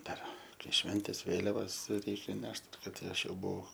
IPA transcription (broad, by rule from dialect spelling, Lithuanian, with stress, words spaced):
ˈdɐr ˈkɐɪ ˈʃʲʋʲɛnʲtʲeːs ˈʋʲeːlʲɛʋɐs ˈrʲɛɪkʲɛ ˈnʲɛʃt ˈkɐt tʲɪ ˈɐʃ ˈjɛʊ ˈbʊɐʊ